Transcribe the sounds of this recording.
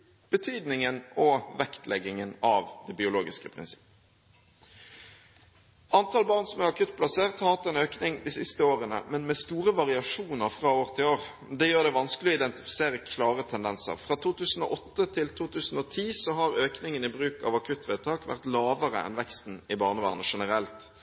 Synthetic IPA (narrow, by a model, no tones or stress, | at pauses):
b̥ət̪ʰyːd̪nɪŋənɔʋɛkt̪lɛɡːɪŋənɑʋd̪ɛbɪʊloːɡɪskəpʰʁɪ̰nsɪ̥pː | ʔɑnt̪ʰɑːlbɑːʁnsɔmɛɑkʰʉt̪̚ːpʰlɑseːʁt̪hɑːlt̪əɛnøːknɪŋd̪ɪsɪst̪əoːʁənə̰mɛnmɛst̪uːʁəʋɑʁɪɑʂuːnəʁfʁɑːoːʁt̪ʰɪloːʁ | d̪ɛjøːʁd̪ɛʋɑnsklɪɔɪd̪ɛnt̪ɪ̥fɪ̥seːʁəkʰlɑːʁət̪ʰɛnd̪ɛnsə̰ʁfʁɑːt̪ʰuːt̪ʰʉːsn̩o̰ʔɔt̪ːət̪ʰɪlt̪ʰuːt̪ʰʉːsn̩ɔt̪ʰiːsɔɦɑʁøːknɪŋənɪbʁʉːkɑ̰ʋɑkʰʉt̪ːʋɛːt̪ʰɑːkʋæ̰ʁt̪lɑːʋəʁə̰ɛ̰nʋɛkst̪n̩ɪbɑːʁnəʋæ̰ːʁnəʂɛnəʁɛlt̪